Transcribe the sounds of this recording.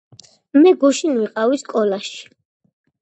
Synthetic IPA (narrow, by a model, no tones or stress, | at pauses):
mɛɡuʃinwiqʼawiskʼɔlaʃi̥